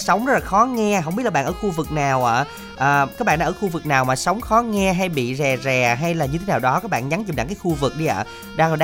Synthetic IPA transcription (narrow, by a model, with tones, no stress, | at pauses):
sə˨˦wŋ͡mzə˦˥laː˨˩xɔ˨˦ŋɛ˧ɦə˧˨ŋ͡mɓi˦˥t̚la˨ɓ̰ːʔəː˧˩xu˧vɨ˨˩k̚naː˨˩wʔaː˧˩ | ʔəː˨˩kaː˦˥k̚a̰ː˧˨nɗaː˧˩xu˧vɨ˨˩k̚naː˨˩wmaː˨˩sə˨˦wŋ͡mxɔ˨˦ŋɛ˧ɦa˧jɓḭ˧˨zɛ˨˩zɛ˨˩ɦa˧jlaː˨˩ɲɨ˧t̪ʰe˨˦naː˨˩wɗɔ˨˦kaː˦˥k̚ɓa̰ː˧˨nɲa˨˦ŋt͡ɕi˨˩mna̰˧˨ŋkaː˨˦xu˧vɨ˨˩k̚ɗi˧ʔa̰ː˧˩ | ɗaː˧ŋ˨˩ɗ